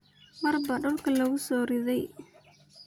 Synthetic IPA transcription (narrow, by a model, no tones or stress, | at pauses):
mɐrbɐɖʊlkʰɐlɐɣʊsɔːɾɪðɛj